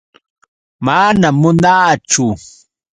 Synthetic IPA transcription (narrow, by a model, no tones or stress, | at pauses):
manamːʊnaːt͡ʃʊ